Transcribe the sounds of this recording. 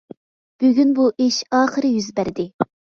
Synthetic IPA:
b̥yɡʲynbuʔeʃɑːχəɾɨjyzbæɾd̪ɪ

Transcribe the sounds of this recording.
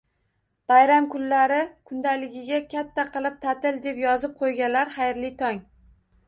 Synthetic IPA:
b̥ajɾamkʊnlaɾɪkʰʊnd̪alɪɡʲɪɡʲakʲʰat̪ʰːaqɨlˠɪp̚t̪ʰat̪ɪld̪e̞pjɒzɪp̚qʰojɡʲanlaɾχajɾlɪt̪ʰɒŋ

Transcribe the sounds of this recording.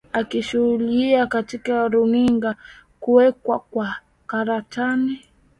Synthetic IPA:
akiʃuhuliakatikaɾuniŋɡakuwɛkwakwa | kaɾatani

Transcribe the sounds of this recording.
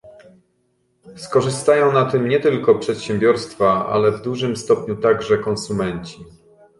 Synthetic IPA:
skɔʐɘst̪ajɔ̃w̃nat̪ɘmɲɛt̪ɘlkɔpʂɛt̪ɕɛmbʲjɔɾst̪faa̰lɛvd̪uʐɘmst̪ɔpɲut̪aɡʐɛkɔ̃nsumɛɲt͡ɕi

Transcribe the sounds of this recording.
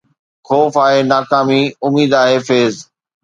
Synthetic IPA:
xɔːfaːɦenaːkaːmiʊmiːd̪aːɦefeːz

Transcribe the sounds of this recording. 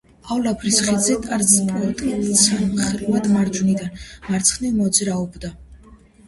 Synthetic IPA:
avlapʰɾisχid̪zɛt̪ʼaɾzpʼɔt̪ʼisʰanmχɛɾmad̪maɾd͡ʒunid̪anmaɾt̪sʰχnivmɔd̪zɾaɔbd̪a

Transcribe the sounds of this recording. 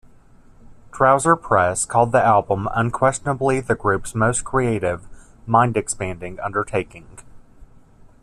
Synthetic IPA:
d̥ʰɹ̥aʊzə˞pʰɹ̥ɛskʰɔlˠd̪̚ðiælˠbə̃mə̰̃nkʰw̥ɛst͡ʃnəbliðɨɡɹʉpsmoʊskʰɹ̥ieɪɾɪv | mãɪ̃ndɨkspæ̃ndɪ̃ŋʌ̰̃ndə˞tʰeɪkɪ̃ŋ

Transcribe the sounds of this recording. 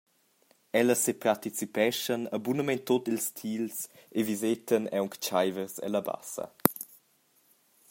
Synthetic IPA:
ɛləsepart̪it͡sipɛʃənəbunəmɛnt̪otilst̪ʰilsevizet̪ʰənɛwŋkt͡ʃajvəɾsə̰ləba̰sə̰

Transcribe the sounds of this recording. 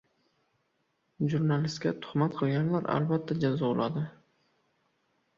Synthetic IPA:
ʒuɾnalɪst̪kʲat̪ʰʊ̥χmat̪̚qʰɨlˠɡʲanlaɾa̰lbat̪ʰːad͡ʒazɒʊlˠʔad̪ɪ

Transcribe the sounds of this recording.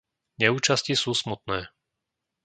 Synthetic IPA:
ɲɛuːt͡ʃascisuːsmut̪nɛː

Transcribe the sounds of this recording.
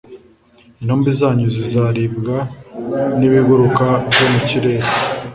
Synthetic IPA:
inhoːmbizaːɲuzizaɾibɡa | niβiɡuɾukavjomuciɾe̞ɾe

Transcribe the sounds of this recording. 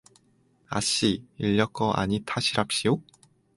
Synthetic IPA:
a̰ɕ͈iiʎːʌk͈ʌʔa̰ɲitʰaɕʰiɾap̚ɕ͈io

